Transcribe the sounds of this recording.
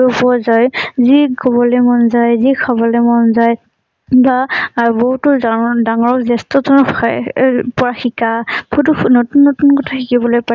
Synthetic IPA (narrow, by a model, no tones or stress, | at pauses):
opɔzajzikɔbɔlemɔnzajzikʰabɔlemɔnzaj | baːɹboɦutʊdaŋɔɹɔkzɛstɔtɔɔ | pɔɹaxikabɔutunotunːotunkɔtʰaxʰikibɔlojpa